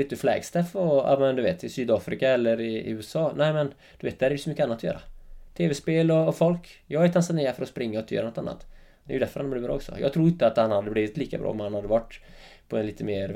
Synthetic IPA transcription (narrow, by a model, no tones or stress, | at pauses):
ɪt̪ːəflɛ̰ːɡst̪ɛfɔa̰mɛnd̪ɵveːt̪ɪsyːd̪ɑːfɾɪkaɛlːəɾɪ̰ʉːsɑːnæɪmɛn | d̪̥ɵveːt̪̚d̪hæɾj̪sɔmʏkːəanːt̪ʰːɔjœ̰ːɾʔa̰t̪ʰeːvɛspeːlɔɔfɔlk | jɑːɡæt̪ʰansaneːafœɾɔspɾɪŋːaɪt̪ʰːjœ̰ːɾnɔt̪a̰nːa̰t̪ | d̪ɛjʏd̪æɾfœɾhanblɪːvbɾɑ̰ːɔksɔ̰jɑ̰ɡt̪ʰɾuːɾɪnt̪əat̪hanhad̪ːəbliːvɪt̪liːkabɾɑ̰ːɔmhanhad̪ːəvaʈː | pʰɔɛnliːt̪əmeːɾ